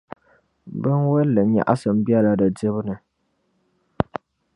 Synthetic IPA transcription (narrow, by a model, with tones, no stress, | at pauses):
bɨ˦nwɛ˦lːɨ˨ɲa̰˨ʔa˦sɨ˨m̩˦bi˦ɛ˦la˦dɨ˨dɨ˦βɨ˦nɨ˨